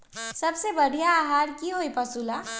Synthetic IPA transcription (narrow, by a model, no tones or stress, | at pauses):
sɐbsebɐɽ̤ijaːɦaːɾkiɦoipɐsula